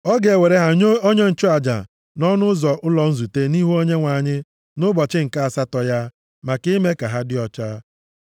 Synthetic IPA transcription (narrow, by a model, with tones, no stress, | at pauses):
ɔ˦ɡe˨e˨we˨ɾe˦ɦa˨˦o˦ɲe˦n̩˨t͡ʃʊ˦a˨d͡ʒa̰˨ | nɔ˦nʊ˦zɔ˨ʔʊ˦lɔ˨n̩˦zu˨te˦ni˦ɦu˦o˦ɲe˦ŋʷa˨ɲɪ˦ | nʊ˦bɔ˨t͡ʃɪ˦ŋ̩˨ka˦a˨sa˦tɔ˨ja˦ | ma˨kɪ˦me˦ka˨ɦa˦dɪ˦ɔ˨t͡ʃa˦